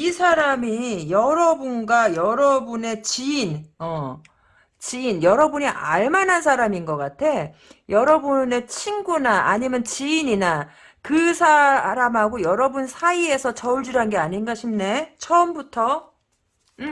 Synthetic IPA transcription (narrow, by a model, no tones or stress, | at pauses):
isʰaɾamijʌɾʌbunɡajʌɾʌbune̞t͡ɕiːnʌ | t͡ɕiːnjʌɾʌbuɲiʔaɭmanans̬ʰaɾaminɡʌk͈atʰe̞ | jʌɾʌbune̞t͡ɕʰinɡunaʔaɲimjʌnt͡ɕiːɲina | kɯsʰaɾamɦaɡojʌɾʌbunsʰaie̞sʰʌt͡ɕʌuɭd͡ʑuɾɦanɡe̞aɲinɡaɕʰimne̞t͡ɕʰʌɯmbutʰʌ